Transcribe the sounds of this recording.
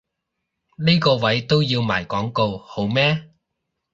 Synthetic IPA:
niː˥kɔː˧wɐ˨˥jt̪o˥wjiː˧wma̰ː˨˩jkɔː˨˥ŋko˧who˨˥wmɛː˥

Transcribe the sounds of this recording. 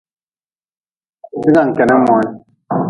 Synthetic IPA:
si˦ɡa˦˨ŋ̩˨kɛ˨nɛ˦mɔ˨˦n˦

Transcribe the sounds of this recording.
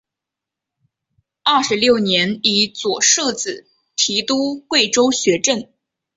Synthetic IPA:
ɐ˥˩ʂɻ̩˧˥ljo˥˩ʊnjɛ˧˥ni˧˥t͡swɔ˨˩ʂɤ˥˧˩t͡sɹ̩˨˩ | t̪ʰi˧˥t̪u˥kwe˥˩ɪʈ͡ʂo˥ʊɕɥɛ˧˥ʈ͡ʂə˥˩n

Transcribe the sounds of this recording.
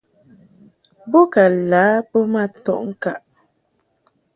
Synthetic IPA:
bo˦ka˨laː˨˦bə˦ma˦tɔ̰˦˨ʔŋ̩˦ka˨ʔ

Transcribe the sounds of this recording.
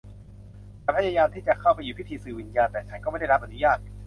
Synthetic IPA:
a˧˩pʰa˦˥jaː˧jaː˧mt̪ʰiː˥˩t͡ɕa˨˩kʰa˥˩wpa˧juː˨˩pʰi˦˥˩t̪ʰiː˧sɯː˨˩wi˧njaː˧nt̪ɛː˨˩t͡ɕʰa˦˥nkɔː˥˩ma˥˩da˥˩ɾa˥p̚ʔa˨nu˦jaː˥˩t̪̚

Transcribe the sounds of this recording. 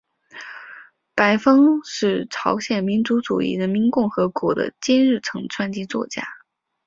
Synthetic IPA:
pa˧˥ɪfɤ˥ŋʂɻ̩˥˩ʈ͡ʂʰɑ˧˥ʊɕjɛ˨˩nmi˧˥nt͡su˧˥ʈ͡ʂṵ˨˩ḭ˥˩ɻə˧˥nmi˧˥nkʊ˥˩ŋxɤ˧˥kwɔ˧˥d̪ə̰˧t͡ɕɛ˥nɻɻ̩˥˩ʈ͡ʂʰɤ˧˥ŋʈ͡ʂʰwa˥nt͡ɕi˥t͡swɔ̰˥˩t͡ɕja̰˥

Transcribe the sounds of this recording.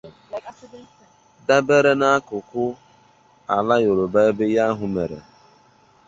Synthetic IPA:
da˦be˦ɾe˦na˦a˦kʊ˨kʊ˦ | a̰˨la˦jo˨ɾo˨ba˦e˦be˦ja˦ɦʊ˨mḛ˨ɾḛ˨

